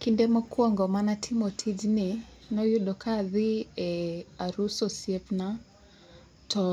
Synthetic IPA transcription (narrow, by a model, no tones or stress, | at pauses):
kindɛmɔkuɔŋɡɔmanatʰimɔtʰid͡ʒini | nɔjuɗɔkʰaðiɛaɾusɔsiɛfna | tɔ